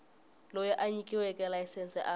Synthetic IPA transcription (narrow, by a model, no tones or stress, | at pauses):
lɔjɛʔaɲikʼiwɛkʼɛlajsɛnsɛʔa